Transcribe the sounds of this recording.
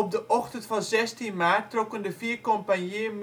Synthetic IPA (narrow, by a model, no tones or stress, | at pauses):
ɔb̚dəʔɔxtəntfɑnzɛstinmaːtːrɔkəndəfiːrkompanjem